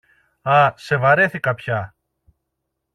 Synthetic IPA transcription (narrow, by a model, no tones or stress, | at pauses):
ɐsevɐɾeθikɐpçɐ